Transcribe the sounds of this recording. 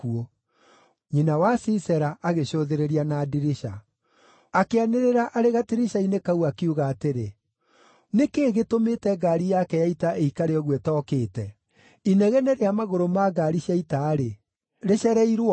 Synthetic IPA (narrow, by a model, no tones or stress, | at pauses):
o | ɲinawasisɛɾaʔaɣeɕoðeɾeɾianadiɾeɕa | akeaneɾeɾaʔaɾeɣatiɾiɕainekauakeuɣaːteɾe | nekeːɣetometɛɡaːɾijakɛjaitaʔeikaɾeɔɣwɛtɔːkeːtɛ | inɛɣɛnɛɾeamaɣoɾomaɡaːɾiɕjaitaːɾe | ɾeɕɛɾɛiɾ